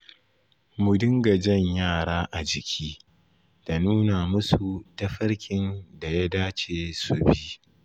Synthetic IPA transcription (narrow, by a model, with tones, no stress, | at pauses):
mʊ˨dɪ˦ŋɡa˨d͡ʒɐ˦˨ɲjaː˦˨ɽaː˦ʔa˨d͡ʒɪ˨kʲʰiː˦ | d̥a˨nuː˦na˨mʊ˦su˨tɐ˦ɸɐ˦ɽkʲʰɪ˨nda˨ja˦daː˦t͡ʃeː˨su˨bi˦